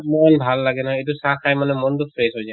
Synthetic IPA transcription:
mɔnbʱalːaɡɛnɔɦɔjet̬ʊsakʰajmanɛmɔntʊpʰɹesɦojzaj

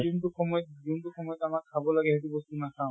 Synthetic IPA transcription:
intuxɔmɔjɔt̚ɡintuxɔmɔjɔt̪amakkʰabɔlaɡɛɦɛtubɔst̪unat̪ʰaʊ̃

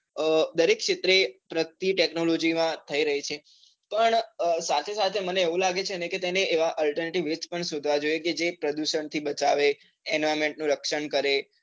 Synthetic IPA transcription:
d̪əɾekʃʰɪt̪ɾepɾək̚t̪iʈeknolod͡ʒimãt̪ʰəiɾəɦit͡ʃʰe | pəɳsat̪ʰesat̪ʰeməneːʋũlaɡet͡ʃʰeəneket̪eneʔeʋaʔəlʈəɾneʈiʋet͡ʃpəɳsod̪ʱʋad͡ʒojeked͡ʒepɾəd̪uʃəɳt̪ʰibət͡ʃaʋe | ɛnoemẽɳʈ̚nũɾəkʃəɳkəɾe

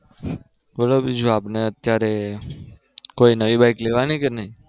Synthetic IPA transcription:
bəlobid͡ʒuapneət̪jaɾe | koinəʋibajkleʋanikenəɦĩ

